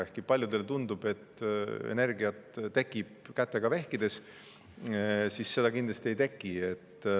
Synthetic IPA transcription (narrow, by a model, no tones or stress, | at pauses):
ehkipɑlʲjud̪̥e̞lt̪und̪ub̥e̞t̪ḛne̞rɡiɑt̪ːe̞kːˑib̥̚kæt̪ːˑe̞ɡ̥ɑvehkid̪̥e̞s | sisse̞d̪ɑkind̪lɑst̪ie̞jt̪e̞kːˑie̞t̪ː